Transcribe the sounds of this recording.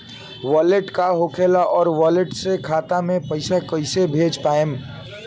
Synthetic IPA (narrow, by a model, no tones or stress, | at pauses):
ʋaːleʈkaɦokʰelaʔɔːɾʋɔːleʈsekʰaːt̪amẽpəɪsakəɪsebʱeːd͡ʒpaːem